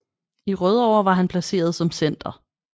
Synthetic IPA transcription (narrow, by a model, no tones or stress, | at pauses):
iʁœð̞ˠɒʊ̰ɐʋɑ̈ɦænpʰlæse̝̰ːɐð̞ˠsɒ̽msen̰d̥ɐ